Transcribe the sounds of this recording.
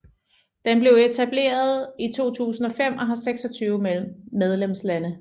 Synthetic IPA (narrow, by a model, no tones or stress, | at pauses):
d̥emb̥le̝ʊe̝t͡sʰæb̥le̝̰ːɐð̞ˠit͡sʰo̝̰ːt͡sʰṵːsn̩ɒ̽fem̰ʔɒɦæseɡ̥sɒ̽t͡sʰyːʊmel̰m̩ːeð̞ˠlem̰slænə